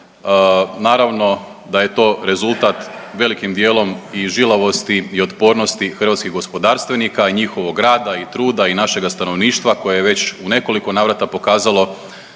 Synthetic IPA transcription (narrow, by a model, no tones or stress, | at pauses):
naːɾaʋno̞ | d̪aje̞t̪o̞ːɾe̞zulˠt̪at̪ʋe̞likimd̪je̞ːlˠo̞miʒilˠaʋo̞st̪iio̞t̪po̞ɾno̞st̪ixr̩ʋaːt̪skiɣɡo̞spo̞d̪aːɾst̪ʋenikaiɲixo̞ʋo̞ɡɾaːd̪ait̪ɾuːd̪ainaʃe̞ɡast̪ano̞ʋniːʃt̪ʋako̞jejeʋe̞t͡ɕune̞ko̞liko̞naːʋɾat̪apo̞kaːzalˠo̞